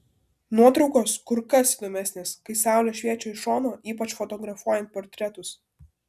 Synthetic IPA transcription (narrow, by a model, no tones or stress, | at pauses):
nuɔt̪ɾɒʊkoːskʊɾkɐsid̪oːmʲæsʲnʲeːskɐɪsɑˑʊlʲɛʃʲʋʲiɛt͡ʃʲoːɪʃɔːnoːʔiːpɐt͡ʃfɔt̪ɔɡɾɐfuɔjɛnt̪̚pɔːɾʲt̪ʲɾʲɛt̪ʊs